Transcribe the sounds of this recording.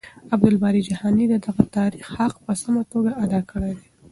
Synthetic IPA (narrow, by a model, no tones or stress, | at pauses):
ab̚d̪ʊlbɑɾid͡ʒahɑnid̪əd̪aɣat̪ɑɾixhaqpəsamat̪oɡaad̪ɑkəɽejd̪e